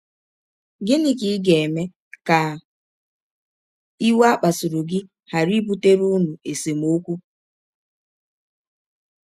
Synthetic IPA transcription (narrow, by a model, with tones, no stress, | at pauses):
ɡɪ˦nɪ˦ki˨˦ɡe˨e˨me˦ | ka˨ | i˦wa˦k͡pa˨sʊ˨ɾʊ˨ɡɪ˦ | ha˨ɾi˦bu˦te˦ɾu˦nu˨e˨se˨m˦o˦kʷu˦